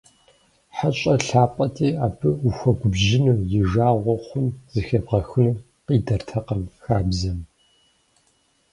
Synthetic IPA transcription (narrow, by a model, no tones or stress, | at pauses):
ħat͡ʃʼɐɬaːpʼɐtʰʼiːaːbʰɨuxʷɔɡʷʊbʒɪnuːjɪʒaːʁʷɔχʷʊmzɨxɐbʁɐxɨnɨ | qʼiːdɐrtʰɐqɐmxaːbzɐm